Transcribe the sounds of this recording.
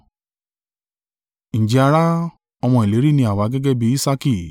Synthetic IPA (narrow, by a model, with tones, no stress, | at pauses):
ñ̩˨d͡ʒi˨˧a˧ɾa˦ | ɔ˧m̃ɔ̃˧i˨le˨˦ɾi˦˨nĩ˧˦a˦˨wa˨˧˦ɡɛ˦ɡɛ˦bi˧i˦sa˦ki˦˨